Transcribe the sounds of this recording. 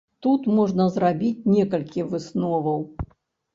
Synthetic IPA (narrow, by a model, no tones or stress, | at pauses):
t̪ut̪mɔʐnɐzɾabʲit͡sʲnʲɛkɐlʲkʲivɨsnɔvɐw